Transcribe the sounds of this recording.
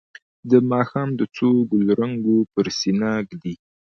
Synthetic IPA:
d̪əmɑxɑmd̪ət͡soɡʊlɾaŋɡopəɾsinɑɡd̪i

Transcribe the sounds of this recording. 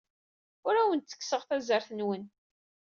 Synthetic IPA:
ʊɾæwənt̪θə̥kːsəʁθæzəɾθənwən

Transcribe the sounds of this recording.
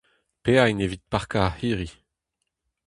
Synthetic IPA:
peainevit̪̚paʁkahiːʁi

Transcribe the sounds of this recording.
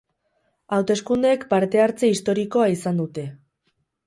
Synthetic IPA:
awt̪e̞skund̪eekpaɾt̪e̞aɾt͡se̞ist̪o̞ɾiko̞aisand̪ut̪e̞

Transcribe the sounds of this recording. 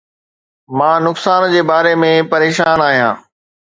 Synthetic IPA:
mãːnʊksaːnd͡ʑeːbaːɾemẽpɐɾeːʃaːnaːɦijãː

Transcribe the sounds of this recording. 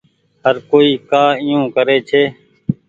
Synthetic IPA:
həɾkoːiːkaːɪjũːkəɾeːt͡ʃʰeː

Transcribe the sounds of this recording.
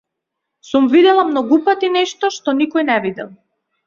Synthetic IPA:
sumvid̪ɛlˠamnɔɡupat̪inɛʃt̪ɔʃt̪ɔnikɔjnɛvid̪ɛ̰lˠ

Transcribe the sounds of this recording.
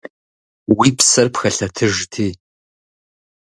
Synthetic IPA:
wiːpsɐrpxɐɬɐtʰɨʒtʰiː

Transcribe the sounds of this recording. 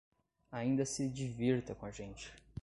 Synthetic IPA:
aĩnd̪ɐsɪd͡ʒiviɾt̪ɐkõaʒẽnt͡ʃɪ̥

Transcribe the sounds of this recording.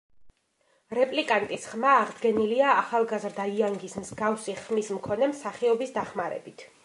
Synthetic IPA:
ɾɛpʼlikʼant̪ʼisχmaːʁd̪ɡɛniliaːχalˠɡazɾd̪aiaŋɡismzɡafsiχmismkʰɔnɛmsaχiɔbisd̪aχmaɾɛ̰bit̪ʰ

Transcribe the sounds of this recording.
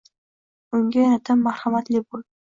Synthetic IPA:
ʊŋɡʲajaɾat̪ʰamːahhamat̪lɪbol

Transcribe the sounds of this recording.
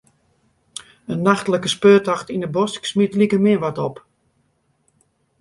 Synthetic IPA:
ənːaxtələkəspøːtɔxtinəbɔsksmitlikəmɪəʋatɔp

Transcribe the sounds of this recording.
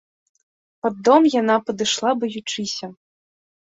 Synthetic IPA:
pɐd̪ːɔmjanapɐd̪ɨʂlˠabɐjut͡ʂɨsʲɐ

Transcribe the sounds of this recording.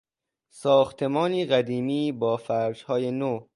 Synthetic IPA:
sɒːxt̪ʰe̞mɒːniːɢæd̪iːmiːbɒːfæɾd͡ʒhɒːjeno

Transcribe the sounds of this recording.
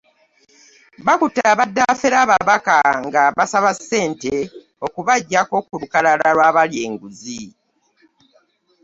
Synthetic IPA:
βakutːaβadːafeɾaːβaβakaŋɡaβasaβasːe̞ːnte̞ | o̞kuβaɟːako̞kulukalalalwaːβaljeːŋɡuzi

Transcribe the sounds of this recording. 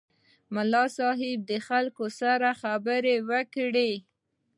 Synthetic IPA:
mʊlɑsɑɦɪb̚d̪əxalkosaɾaxabəɾewəkɽe

